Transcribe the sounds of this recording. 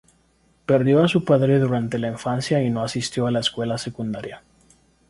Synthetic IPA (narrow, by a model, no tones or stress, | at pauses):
peɾðjo̞asupaðɾe̞ðuɾant̪e̞laiɱfansjaino̞asist̪jo̞alaeskwe̞lase̞kund̪aɾja